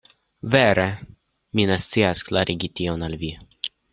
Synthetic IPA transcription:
vɛɾɛ | minast̪t͡siasklaɾʔiɡʲit̪ʲionalvi

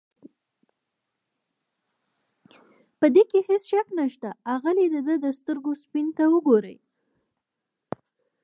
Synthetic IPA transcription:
pəd̪ekehɪsʃaknaʃt̪aaɣaled̪əd̪əd̪əst̪əɾɡospint̪awəɡoɾə̰j

